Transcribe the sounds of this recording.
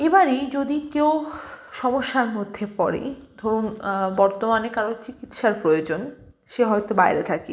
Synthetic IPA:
ebaɾid͡ʑod̪ikew | ʃɔmoʃːaɾmod̪ʱːepɔɾḛd̪ʱoɾunbɔɾt̪omanekaɾont͡ɕikit̪ʃaɾpɾojod͡ʑon | ʃeɦɔjt̪obajɾḛt̪ʰake

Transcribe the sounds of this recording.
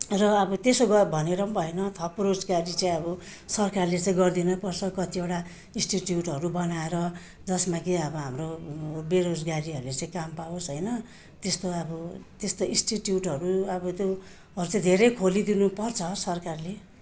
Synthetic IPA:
rʌːbʌt̪esoɡʌbʱʌneɾʌmbʱʌenʌt̪ʰʌpɾod͡zɡaɾit͡sãĩʌbʌ | sʌrkarlet͡sãĩɡʌrd̪inʌpʌrt͡sʰʌkʌt̪ieʈa | ĩsʈiʈjuʈɦʌɾubʌnaeɾʌ | d͡zʌsmakiʌbʌɦamrobeɾod͡zɡaɾiʌɾulet͡sãĩkampaosɦʌjnʌ | t̪est̪oʌbʌt̪est̪oĩsʈiʈjuʈɦʌɾuʌbʌt̪jo | ɦʌɾut͡sãĩd̪ʱeɾʌjkʰolid̪inupʌrt͡sʰʌsʌrkarle

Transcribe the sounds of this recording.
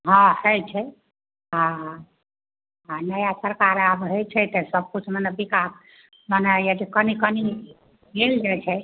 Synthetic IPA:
ɦãhət͡ʃʰɛ | ɦãɦ | ɦanəjasəɾkaɾabɦəjt͡ʃʰɛt̪əsəb̚kut͡ʃʰmənebikas | mənəjad͡ʒekənikəni | ɡeld͡ʒat͡ʃʰɛ

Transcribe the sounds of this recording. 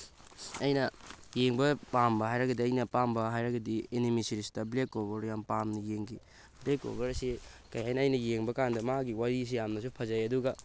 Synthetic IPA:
ɐjnɐjeŋbɐpambɐɦajɾɐɡɐdiɐjnɐpambɐɦajɾɐɡɐdienimisiɾisi̥tɐblekobɐɾjampamnijeŋɡi | blekːo̰bɐɾsikɐjhajnɐːjnɐjeŋbɐkandɐmaɡiwaɾis̬ijamnɐs̬upʰɐzɐjɐduɡɐ

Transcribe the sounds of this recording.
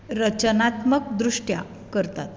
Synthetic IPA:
ɾət͡ɕənat̪məkd̪ɾuʂʈja̰ | kəɾt̪a̰t̪

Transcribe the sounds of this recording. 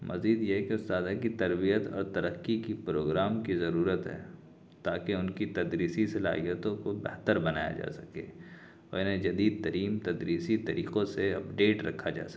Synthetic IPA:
mʔɐ̰ziːd̪jeɦɛkeʊst̪aːd̪akit̪ɐɾbijət̪ɔ̰ːɾt̪ɐɾəqːikipɾoːɡɾaːmkizɐɾuːɾət̪ɦɛ̰ː | t̪aːkeʊnkit̪ɐd̪ɾiːsisela̰ːɦijət̪õkobɛ̰ɦt̪əɾbɐnaːja̰d͡ʒa̰ːsɐ̥kḛː | ɔːɾɪnɦẽd͡ʒɐd̪iːd̪̚t̪ɐɾiːmt̪ɐd̪ɾiːsit̪ɐɾiːqõseɐpɖeːʈɾɐ̰kʰːad͡ʒa̰ːs

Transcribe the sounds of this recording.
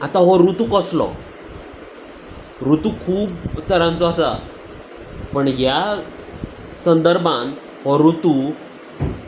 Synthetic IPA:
at̪aɦɔɾut̪ukəslɔ̰ | ɾut̪ukʰuːbt̪əɾãnt͡sɔasa̰ | pəɳɦja | sənd̪əɾbʱãn | hɔɾut̪u

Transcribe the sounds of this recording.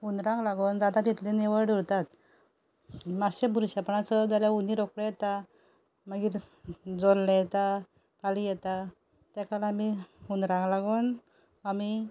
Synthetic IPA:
unɾãŋɡlaɡond͡zad̪at̪it̪leniʋəɭɖʱuɾt̪at̪ | maɾɕebuɾɕapəɳat͡səd͡zaljauniɾokɽejɛt̪a | məɡiːɾd͡zolːɛ̃jɛt̪a | palijɛt̪a | t̪jakalaamiunɾãŋɡlaɡun | ami

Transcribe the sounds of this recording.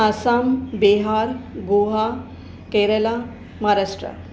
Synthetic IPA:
asambeɦaɾɡuɦa | keɾela | maɾaʂʈɾə̰

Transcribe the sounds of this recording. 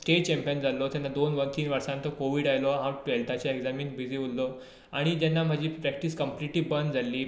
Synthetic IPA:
sʈeʈ̚t͡ɕɛ̃mpijənd͡zalɔt̪janːad̪onʋənt̪iːnʋəɾsãnt̪əkoʋiːɽajlɔɦãʈelt̪ʰat͡ɕaeɡd͡zamiːnbʱid͡ziulːɔ | aɽ̃id͡ʑ̪ɛnːam̤əd͡ʑiːpɾɛk̚ʈiːskəmpliʈliːbənd͡zalːiː

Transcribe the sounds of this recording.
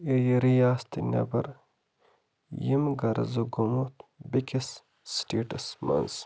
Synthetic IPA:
ejiɾijaːst̪inʲɐ̰bɐɾ | jimɡɐɾzoɡomut̪bikʲisː | ʈeːʈɐsmɐ̰ns

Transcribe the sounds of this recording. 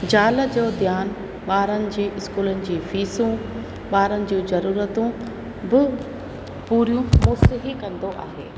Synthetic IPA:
d͡ʑaːləd͡ʑoːd̪jaːn | ɓaːɾənɪ̆d͡ʑiːʔɪskuːlənɪ̆d͡ʑiːfiːsũ | ɓaːɾənɪ̆d͡ʑũːzɐɾuːɾət̪ũ | bɪ | puːɾijũmoːsɪɦikɐ̃nd̪oʔa̰ːɦḛː

